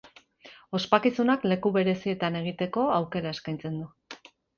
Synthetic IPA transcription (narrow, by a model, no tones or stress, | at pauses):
o̞spakisunakle̞kuβe̞ɾe̞sie̞t̪ane̞ɣ̞it̪e̞ko̞awke̞ɾae̞skajnt͡se̞nd̪u